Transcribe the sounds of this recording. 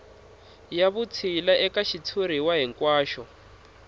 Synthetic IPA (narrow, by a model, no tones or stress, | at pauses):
jaβut͡sʰilaʔɛkaʃit͡sʰuɾ̤iwaɦiŋkwaːʃɔ